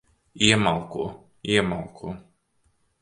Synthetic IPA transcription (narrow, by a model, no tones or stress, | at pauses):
iɛmalˠkuɔ | iɛmalˠkʰuː